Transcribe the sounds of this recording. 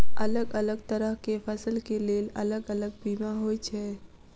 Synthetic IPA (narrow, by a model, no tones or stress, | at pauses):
ɐləɡələɡt̪əɾəɦkefʰəsəlkeleːlɐ̰ləɡələɡ̚biːmaɦoːjt͡ʃʰɛː